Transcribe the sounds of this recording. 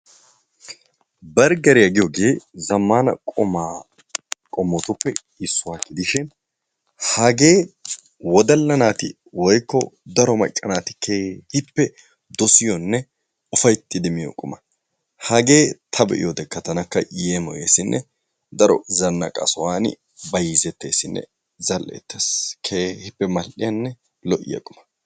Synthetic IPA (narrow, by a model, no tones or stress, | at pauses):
bɐɾɡɐɾɪjɐɡɪjoːɡe̞ːzɐmːaːnɐ̰kʼɔma | kʼɔmːɔt̪ʊpːɛ | ɪsːʊwaːkɪd̪ɪʃɪn | hɐɡe̞ː | wɔd̪ɐlːɐnaːt̪ɪ | wɔjkːɔd̪ɐɾɔmɐt͡ʃʼːɐnaːt̪ɪ̥kʰːeːhɪpːɛ | d̪ɔsɪjɔnːɛ | ʊfɐjt̪ːɪd̪ɛmɪjɔ̰kʼʊmɐ | hɐɡe̞ːt̪ʰɐbɛ̰ʔɪ̰jɔd̪ɛkːɐt̪ɐnɐkːɐjemɔjḛːsɪnːʔɛ̰ | d̪ɐɾɔ̰zɐnːɐ̰kʼɐ̰sɔwaːnɪ̰ | bɐjiːzɛt̪ːe̞ːsːɪnːɛ̰ | zɐlʔḛːt̪ːeskʰeːhɪpːɛmɐlʔɪjɐnːɛ | lɔʔɪ̰jɐ̰kʼʊmɐ̥